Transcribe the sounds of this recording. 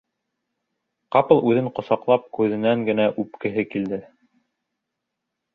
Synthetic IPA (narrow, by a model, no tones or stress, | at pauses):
qɑpɤ̆lˠʉðɘɴqŏsɑqlˠɑp̚kʉðɘ̆næŋɡɘ̆næʔʉp̚kɘ̆ɦɘkild̪ɘ